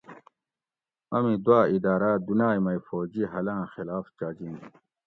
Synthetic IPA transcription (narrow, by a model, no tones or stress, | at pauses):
ɐmid̪waːid̪aːɾaːd̪unaːjmɐjfoːd͡ʑiɦɐlãːxilaːft͡ɕaːd͡ʑin